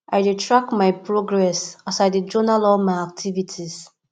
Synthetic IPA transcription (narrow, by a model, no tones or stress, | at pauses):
aɪditɹak̚maɪpɹoɡɹɛsasadid͡ʒɔnalɔlmaɪak̚tʰivitʰis